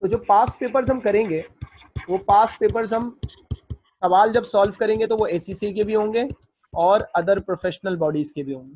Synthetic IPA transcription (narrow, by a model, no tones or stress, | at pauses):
t̪od͡ʒoːpaːs̚peːpəɾzɦɐmkɐɾẽːŋɡeː | ʋoːpaːs̚peːpəɾzɦɐm | sɐʋaːld͡ʒɐbsɔːlʋkɐɾẽːŋɡet̪oʋoeːsiːsikebʱiɦõːŋɡeː | ɔːɾɐd̪əɾpɾofʰeːʃnəlbɔːɖiːzkebʱiɦõːŋɡeː